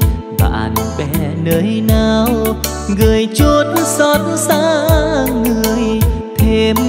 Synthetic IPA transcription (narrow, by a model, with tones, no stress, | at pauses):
ɓa̰ː˧˨nɓɛ̰˧˩nəː˨˦jnaː˨˩w | ŋɨ˨˩əjt͡ɕo˧t̚nsɔ˧˩t̚nzaː˧˥ŋɨ˨˧əjt̪ʰe˧m